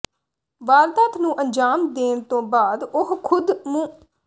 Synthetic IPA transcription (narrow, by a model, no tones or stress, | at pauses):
ʋaːɾt̪aːt̪ʰnũːʔəɲd͡ʒaːmd̪eːnt̪õːbaːd̪ʊɦkʰʊd̪mũː